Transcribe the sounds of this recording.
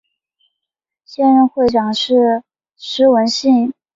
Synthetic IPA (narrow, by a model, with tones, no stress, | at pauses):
ɕjɛ˥nɻə˥˧nxwe˥˩ɪʈ͡ʂɑ˨˩ŋʂɻ̩˥˩ | ʂɻ̩˧˥wə˧˥nɕi˥˩ŋ